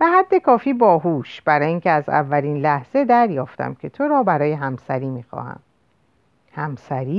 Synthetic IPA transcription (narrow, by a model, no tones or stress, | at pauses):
b̥eɦæd̪ːe̞kʰɒːfiːbɒːɦuːʃb̥æɾɒːjiːŋcʰeæzæ̰vːæliːnlæhz̥e̞d̪æɾjɒːft̪ʰæ̰mcʲʰe̞t̪ʰoɾɒːbæɾɒːjeɦæmsæɾiːmiːxɒ̰ːhæ̰m | hæmsæɾiː